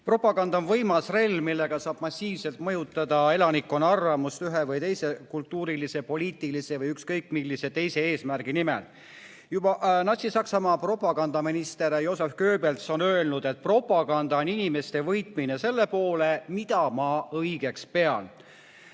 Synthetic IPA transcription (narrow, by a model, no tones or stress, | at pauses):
pro̞pːˑɑɡɑnd̪̥ɑonvɤjmɑsre̞lʲːmilːe̞ɡ̥ɑsɑːb̥mɑsːiːvse̞lt̪mɤjut̪ːˑɑd̪̥ɑe̞lɑnikːˑonɑrvɑmust̪yɦevɯjt̪e̞jse̞kult̪ːuːɾilise̞po̞liːt̪ˑilise̞vɤjykskɤjkmilːise̞t̪e̞jse̞eːsmærɡ̥inimḛl | jubɑnɑsʲisɑksɑmɑːpro̞pːˑɑɡ̥ɑnd̪ɑminist̪eɾjo̞ːsefkø̞ːbelt̪so̞nø̞e̞lnud̪̥et̪̚pro̞pːˑɑɡ̥ɑnd̪̥ɑoninime̞st̪e̞vɤjt̪minese̞lːe̞po̞ːlemid̪̥ɑmɑɤjɡ̥e̞kspe̞ɑn